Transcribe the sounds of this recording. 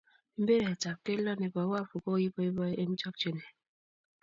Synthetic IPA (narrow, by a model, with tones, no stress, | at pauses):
m̩˦be˦ɾe˨t͡ʃa˨p̚ke˦lɔ˦ne˨bɔ˨˦wa˦˨fu˨ko˦ji˦bɔ˦e˦bɔ˦ʔe˦m̩˦t͡ʃɔ˦k̚t͡ʃe˦ne˨